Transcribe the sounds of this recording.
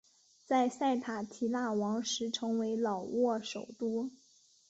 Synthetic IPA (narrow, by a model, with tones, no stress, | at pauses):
t͡sa˥˧ɪsa˥˩ɪt̪ʰa˨˩t̪ʰi˨˩la˥˩wɑ˧˥ŋʂɻ̩˧˥ʈ͡ʂʰɤ˧˥ŋwe˧˥ɪlɑ˨˩ʊwɔ˥˩ʂo˨˩ʊt̪u˥